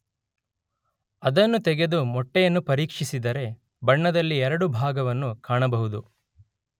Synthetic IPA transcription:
ɐd̪ɐnːut̪ɛɡe̞d̪umɔʈːɛjɐnːupɐɾiːkʂisid̪ɐɾe̞ | bɐɳːɐd̪ɐlːiɛɾɐɽubʱaːɡɐʋɐnːukaːɳɐbɐɦud̪u

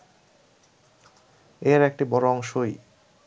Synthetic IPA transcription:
eɾɛk̚ʈibɔɾoɔŋʃoj

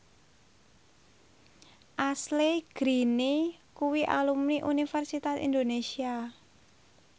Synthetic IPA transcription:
ʔasleɡ̥ɾinikuwiʔa̰lumniʔunifɛrsit̪asḭnd̪onesia

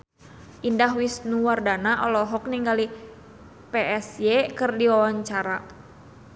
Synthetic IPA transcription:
ʔindaɦwisnuwardanaʔɔlɔɦɔk̚niŋɡali | peʔɛsjekɨrdiwawaɲt͡ʃaɾa

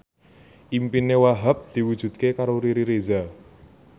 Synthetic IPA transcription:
ʔimpinewaɦap̚d̪̥i̤wud̥ʒ̥ṳd̪̥̚kekaɾoɾiɾiɾeza

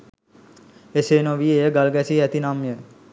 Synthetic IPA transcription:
eseːnoʋiejəɡalɡæsiæt̪inamjə

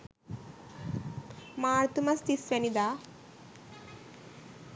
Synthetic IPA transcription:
maːɾt̪umɐst̪isʋɐnid̪aː

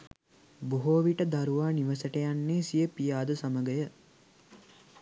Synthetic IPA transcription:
buɦoːʋiʈəd̪aɾuʋaːniʋəsəʈejanːeːsijəpijaːd̪əsaməɡəjə

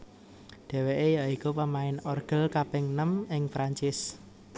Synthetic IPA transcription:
ɖ̥ɛ̤weʔejaikupəmaɪnɔrɡ̥ə̤lkapɛŋnəmɪŋfɾaɲt͡ʃɪs

